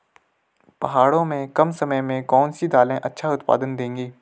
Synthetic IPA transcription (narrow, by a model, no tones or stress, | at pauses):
pɐɦaːɽõmẽkɐmsɐməjmẽkɔːnsid̪aːlẽʔɐtːʃʰaʊt̪pa̰ːd̪ənd̪ẽːŋɡiː